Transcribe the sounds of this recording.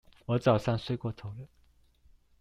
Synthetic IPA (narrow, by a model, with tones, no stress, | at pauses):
wɔ˧˥t͡sɑ˨˩ʊʂa˥˧ŋswe˥˧ɪkwɔ˥˩t̪ʰo˧˥ʊlə˥˩